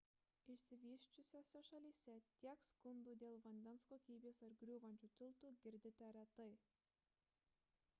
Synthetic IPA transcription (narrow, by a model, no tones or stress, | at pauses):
ɪʃʲsʲɪʋʲiːʃʲt͡ʃʲʊsʲoːsʲɛʃɐlʲiːsʲɛt̪ʲiɛkskʊnd̪uːd̪ʲeːlˠʋɐnʲd̪ʲɛnskoːkʲiːbʲeːsɐɾɡɾʲuːʋɐnʲt͡ʃʲuːt̪ʲɪlˠt̪uːɡʲɪɾʲd̪ʲɪt̪ʲɛɾʲɛt̪ɐɪ